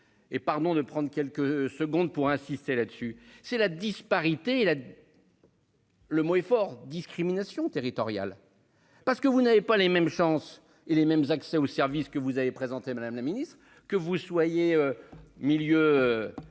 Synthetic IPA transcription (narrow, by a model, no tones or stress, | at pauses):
epaʁd̪ɔ̃d̪əpχɑ̃d̪ʁkʲɛlkəsəɡɔ̃d̪̚puʁɛ̃sist̪elad̪əsysɛlad̪ispaʁit̪eːla | ləmoɛfɔʁd̪iskχiminasjɔ̃t̪eʁit̪ɔʁja̰l | paʁsə̥kəvunavepalemɛmʃɑ̃s | elemɛmzaksɛosɛʁviskəvuzavepχezɑ̃t̪emad̪amlaminist̪χ | kəvuswajeømiljøø